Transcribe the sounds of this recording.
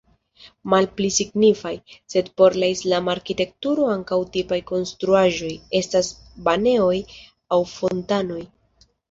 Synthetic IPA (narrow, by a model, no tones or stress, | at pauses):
malplisiɡnifajse̞dpo̞ɾlaislamaːɾkite̞k̚tuɾo̞aŋkawtipajko̞nstɾuaʒo̞je̞stas | bane̞o̞j | awfo̞ntano̞j